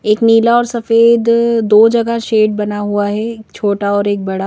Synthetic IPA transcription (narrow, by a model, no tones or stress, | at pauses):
eːkniːlaɔːɾsɐfeːd̪d̪oːd͡ʒɐɡaʃeːʈ̚bɐnaɦuaɦɛkt͡ʃʰoːʈaɔːɾeːk̚bɐɽa